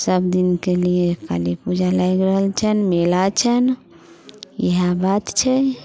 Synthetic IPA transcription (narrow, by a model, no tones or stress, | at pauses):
səbd̪inkelijeka̰lipud͡ʒʱalajɡɾəɦəlt͡ʃʰənmelat͡ʃʰən | jəɦabat̪t͡ʃʰɛ